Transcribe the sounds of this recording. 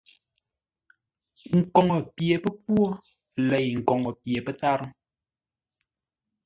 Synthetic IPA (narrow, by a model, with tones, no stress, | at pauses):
ŋ̩˨kɔ˨ŋə˨pje˨pə˦p̚wo˦ | lɛ˨jŋ̩˨kɔ˨ŋɔ˨pje˨pə˦ta˦ɾə˦